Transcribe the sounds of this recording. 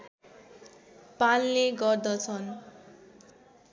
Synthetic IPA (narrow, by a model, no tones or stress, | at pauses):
palːeɡɔɾd̪ɔt͡sʰʌn